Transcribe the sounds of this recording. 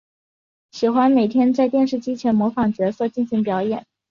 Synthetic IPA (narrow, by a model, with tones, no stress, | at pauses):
ɕi˨˩xwa˥nme˨˩ɪt̪ʰjɛ˥nt͡sa˥˧ɪt̪jɛ˥˧nʂ̬ɻ̩˥˩t͡ɕi˥t͡ɕʰɥɛ˧˥nmwɔ˧˥fɑ˨˩ŋt͡ɕɥɛ˧˥swɔ˥˧˩t͡ɕi˥˩nɕi˧˥ŋpjɑ˧˥ʊjɛ̰˨˩˦n